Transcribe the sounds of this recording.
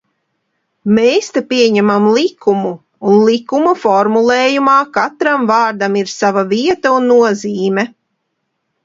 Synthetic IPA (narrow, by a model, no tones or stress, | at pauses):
mejst̪apiɛɲɛmamlˠikumuː | nlˠikumufɔɾmulˠɛːjumaːkat̪ɾamvɑːɾd̪amiɾsavaviɛt̪aunːuɔziːmɛ